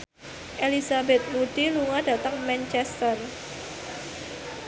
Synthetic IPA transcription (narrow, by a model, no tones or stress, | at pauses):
ʔelisabɛt̪̚muɖ̥iluŋad̥a̤t̪əŋmɛnt͡ʃɛst̪ər